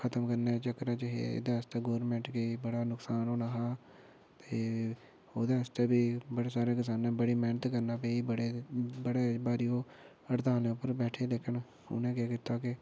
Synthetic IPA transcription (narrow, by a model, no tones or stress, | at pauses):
kʰət̪əmkəɾneːt͡ʃəkːɾaːt͡ʃəɦḛḛːd̪aːəst̪eːɡoːɾmẽːɳʈɡebəɽaːnʊksaːnɦoːnaːɦaː | t̪eː | oːd̪eːəst̪eːbiːbəɽeːsaːɾeːkɪs̬aːnãːbəɽiːmɛːnət̪kəɾnaːpeiːbəɽeːbəɽeːbaːɾijoː | əɽt̪aːleːʊpːəɾbɛːʈʰeːleːkʰən | ʊ̰nẽːkeːkɪt̪aːkɪ